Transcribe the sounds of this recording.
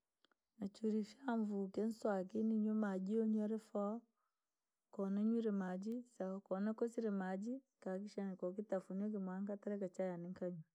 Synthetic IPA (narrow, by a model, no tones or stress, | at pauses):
nat͡ʃuɾifjaɱvuken̩swakiniɲomaɟioɲaɾefɔ | kɔneɲuɾemad͡ʒisakɔnakosiɾemad͡ʒi | kak̬iʃanikokitafunok̬imwaŋkataɾɛkat͡ʃajaniŋkaɲu